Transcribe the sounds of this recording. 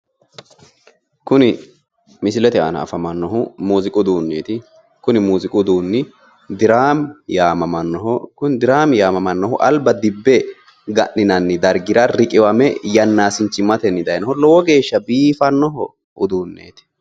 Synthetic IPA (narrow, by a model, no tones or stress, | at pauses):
kʊnɪ | mɪsɪlɛt̪ɛɐ̰nɐ̰ːfɐmɐnːɔɦʊmuːzɪkʼʊd̪uːnːeːt̪ɪ | kʊnɪmuːzɪkʼʊd̪uːnːɪ | d̪ɪɾaːmjaːmɐmɐnːɔɦɔkʊnd̪ɪɾaːmjaːmɐmɐnːɔhʊʔɐlbɐd̪ɪbːɛ | ɡɐʔːɪnɐnːɪd̪ɐɾɡɪɾɐɾɪkʼɪwɐmɛjɐnːaːsɪnt͡ʃːɪmɐt̪ɛnːɪd̪ɐjnɔhɔlɔwɔɡe̞ːʃːɐbiːfɐnːɔɦɔ | ʊd̪uːnːḛːt̪ɪ̥